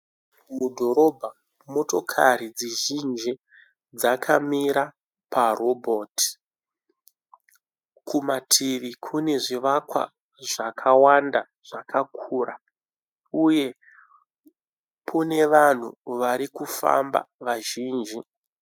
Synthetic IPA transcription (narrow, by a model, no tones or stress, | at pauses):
mudʱo̞ɾo̞bʱa | mo̞to̞kʰaɾid͡ziʒind͡ʒi | d͡zakʰamiɾa | parobʱoːti̥ | kumatʰiʋikʰune̞ʐiʋakwa̰ | ʐakʰawanda | ʐ̥akʰakʰuːra | uje̞ | pʰune̞ʋan̤ṵʋaɾikufa̰mba̰ʋaʒiːnd͡ʒi